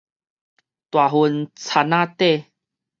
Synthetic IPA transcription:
t̪wa˨˩ɦu˧nt͡sʰa˧nã˥˦˧t̪e˥˧˨

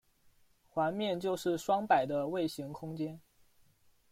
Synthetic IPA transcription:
xwa˧˥nmjɛ˥˧nt͡ɕjo˥˧ʊʂɻ̩˥˩ʂwɑ˥ŋpa˨˩ɪd̪ə˦we˥˩ɪɕi˧˥ŋkʰʊ˥ŋt͡ɕjɛ˥n

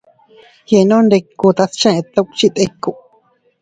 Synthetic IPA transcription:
je˧˨nõ˦nde˧ku˧t̪a˧st͡ʃã˦e˧t̪ːa˦kt͡ʃi˦t̪e˦kːu˨ʔ

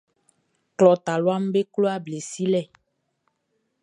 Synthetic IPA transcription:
klɔ˨t̪a˨lo˦a˦m˦be˦klo˦a˦ble˨si˦lɛ˦˨

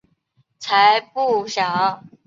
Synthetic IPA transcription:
t͡sʰa˧˥ɪpu˥˩ɕjɑ˨˩˦

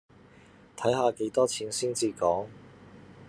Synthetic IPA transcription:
t̪ʰɐ˨˥jɦaː˨˧ke˨˥jt̪ɔː˥t͡sʰiː˨˥nsiː˥nt͡siː˧kɔː˨˥ŋ

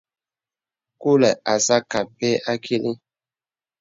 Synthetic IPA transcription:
ku˦lɛ˨a˨sa˦ka˨pe˦a˦kʰi˦li˦

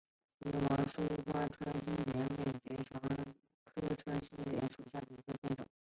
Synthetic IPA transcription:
i˧˥wɑ˧˥ŋʂu˥˩˥xwa˥ʈ͡ʂʰwa˥nɕi˥nljɛ˧˥nme˥˩ɪt͡ɕɛ˧˥ʈ͡ʂʰwɑ˧˥ŋ | kʰɤ˥ʈ͡ʂʰwa˥nɕi˥nljɛ˧˥nʂu˨˩ɕja˥˩d̪ə˩i˧˥ɡə˧pjɛ˥˩nʈ͡ʂʊ̰˨˩˦

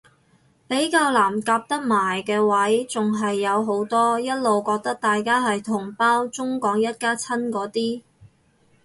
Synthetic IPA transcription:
pe˨˥jkaː˧wlaː˨˩mkaː˧p̚t̪ɐ˥k̚maː˨˩jkɛː˧wɐ˨˥jt͡sʊ˨ŋɦɐ˨jːɐ˨˧wɦo˨˥wt̪ɔː˥jɐ˥t̚lo˨wkɔː˧k̚t̪ɐ˥k̚t̪aː˨jkaː˥ɦɐ˨jt̪ʰʊ˨˩ŋpaː˥wt͡sʊ˥ŋkɔː˨˥ŋjɐ˥t̚kaː˥t͡sʰɐ˥nkɔː˨˥t̪iː˥

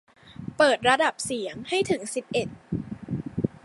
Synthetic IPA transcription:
pɤː˨˩t̪̚ɾa˧da˨˩p̚si˨˩˦əŋha˥˩jt̪ʰɯ˩˦ŋsi˨˩p̚ʔe˨˩t̪̚

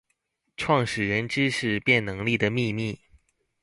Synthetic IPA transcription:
ʈ͡ʂʰwɑ˥˩ŋʂɻ̩˨˩ɻə˧˥nʈ͡ʂɻ̩˥ʂɻ̩˥˧pjɛ˥˩nnɤ˧˥ŋli˥˩d̪ə˩mi˥˧mi˥˩

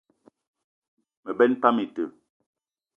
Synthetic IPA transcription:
mə˨bɛ˦npa˦mi˨tə˨

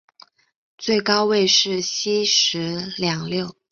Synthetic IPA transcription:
t͡swe˥˩ɪkɑ˥ʊwe˥˧ɪʂɻ̩˥˩ɕi˥ʂɻ̩˧˥ljɑ˨˩ŋljo˥˩ʊ

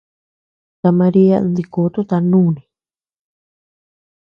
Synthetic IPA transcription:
t̪a˧mã˧ɾi˦a̰˦˧nd̪i˧ko˨˦t̪u˦t̪a˧nũː˦˨nĩ˨˧

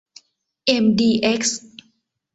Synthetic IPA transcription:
ʔe˧mdiː˧˩ʔe˦˥k̚s

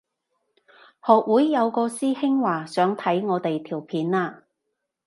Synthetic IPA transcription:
hɔː˨k̚wuː˨˥jːɐ˨˧wkɔː˧siː˥hɪ˥ŋwaː˨˩sœː˨˥ŋt̪ʰɐ˨˥jŋɔː˨˧t̪e˨jt̪ʰiː˨˩wpʰiː˨˥nlaː˧

